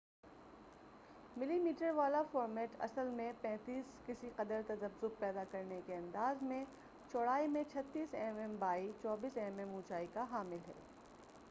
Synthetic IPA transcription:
mɪlimiːʈəɾʋaːlafɔːɾmɛːʈɐ̰səlmẽpɛ̃ːt̪iːskɪsiqɐd̪əɾt̪ɐzɐbzʊb̚pɛːd̪akɐɾnekeɐ̃nd̪aːzmẽ | t͡ʃɔːɽaːimẽt͡ʃʰɐt̪ːiːsɛːmɛmbaːit͡ʃɔːbiːsɛːmɛmũːt͡ʃaːikaɦaːmɪlɦɛ̰ː

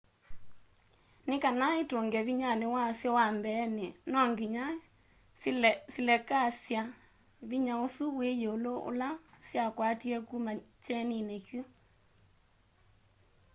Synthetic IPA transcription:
nekanaetoŋɡɛβiɲanewasjɔwambɛːnenɔŋɡiɲa | silɛkasja | βiɲaosuβwejooloo̰lasjakwatiɛkumat͡ʃɛninekju

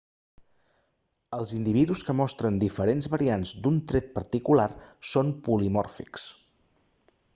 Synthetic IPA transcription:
əlˠzind̪iβ̞iðuskəmɔst̪ɾənd̪ifəɾenzβəɾianzd̪unt̪ɾɛt̪̚pəɾt̪ikularsonpulimɔrfḭks

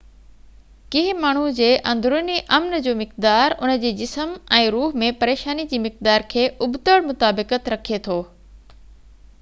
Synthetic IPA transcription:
kɪɦɪmaːɳ̤ud͡ʑeːʔɐ̃nd̪ʱɾʊniʔɐmnd͡ʑoːmɪqd̪aːɾʊ̰nəd͡ʑeːd͡ʑɪsəmɛ̃ːɾuːɦmẽpɐɾeːʃaːnid͡ʑiːmɪq̚d̪aːɾkʰeːʔʊbt̪əɽmʊt̪aːbɪkət̪ɾɐkʰiet̪ʰoː

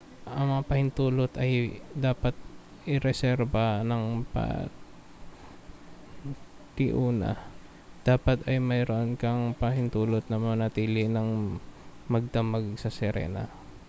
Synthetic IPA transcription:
ʔɐŋmɐŋapɐhɪnt̪uːlot̪ɐjd̪aːpɐt̪̚ | ʔɪɾɛsɛɾbɐnɐŋpa̰ | t̪ɪʔuːnɐ̰ | d̪̥aːpɐt̪ɐjmɐjɾoʔonkɐŋpɐhɪnt̪uːlot̪̚nɐmɐŋanɐt̪iːlɪnɐŋ | mɐɡ̚d̪ɐmaɡsɐsɛɾɛ̰ːna̰

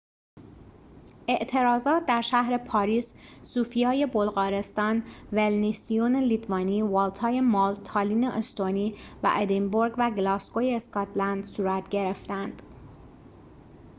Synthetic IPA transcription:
e̞ʔt̪ʰe̞ɾɒːzɒːt̪̚d̪æɾʃæhɾe̞pʰɒːɾiːsːuːfijɒːje̞bolɣɒːɾe̞st̪ɒːnvelnisionelit̪ʰvɒːniːvɑːlt̪ʰɒːjemɑːlt̪ʰɒːliːneʔest̪oniːvæ̰ʔed̪emboɾɡvæɡlɒːskojeːskɒt̪ʰlænd̪suːɾæt̪ʰɟe̞ɾe̞ft̪ænd̪̥

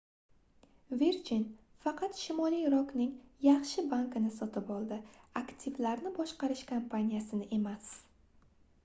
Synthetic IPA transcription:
veɾd͡ʒinfɑqʰɑt̪ʃɪmɒlˠijɾɒknɪŋjɑχʃɪbankɪnɪsɒt̪ɪpɒlˠd̪ɪakt̪ʰivlaɾnɪbɒʃqɑɾɪʃkʰampʰanʲijasɪnɪʔe̞mas

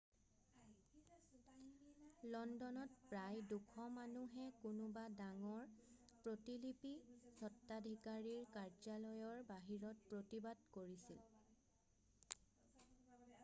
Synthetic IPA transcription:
lɔndɔnɔtpɹajdukʰɔmanuɦɛkunʊbadaŋɔɹpɹotilipizɔtːadʱikaɹiɹkaɹd͡ʒalɔjɔɹbaɦiɹɔt̚pɹotibadkoɹisil

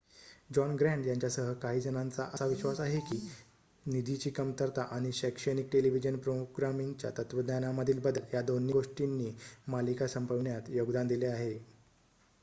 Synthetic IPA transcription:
d͡ʑɔnɡɾæ̃ɳɖjaɲt͡ɕjasəɦəkaɦiːd͡zənant͡saʔəsaʋiɕʋasaɦekiː | nid̪ʱit͡ɕiːkəmt̪əɾt̪aʔaɽ̃iɕɛkʂənik̚ʈeliʋid͡ʑənpɾoɡɾamiŋɡt͡ɕja̰t̪ət̪ʋəd̪njanaməd̪ʱiːlbəd̪ʱəljad̪onːiɡoʂʈinːiːmalikasəmpəʋɳjat̪joɡd̪and̪ileaɦe

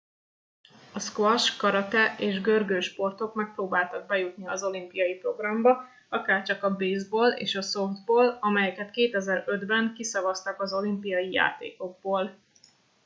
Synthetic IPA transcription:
ɒskvɒʃkɒɾɒt̪ɛeːʒɡø̞rɡøːʃpo̞rt̪o̞kmɛk̚proːbaːlt̪ɒɡ̚bɛjut̪niɒzo̞limpijɒjipro̞ɡrɒmbɒ | ɒkaːrt͡ʃɒkɒbeːzboːlḛːʃɒso̞fd̪boːlɒmɛjɛkɛt̪keːt̪ɛzɛɾø̞d̪bɛŋkisɒvɒst̪ɒkɒzo̞limpijɒjija̰ːt̪ḛːko̞ɡ̚boːl

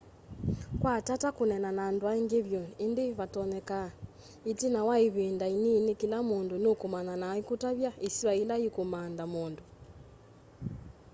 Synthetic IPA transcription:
kwatatakonɛnanaːndwaiŋɡeβjɔendeβatɔnɛka | itinawaiβendaininekilamondonokomananaikutaβjaisiwailaikomandamondo

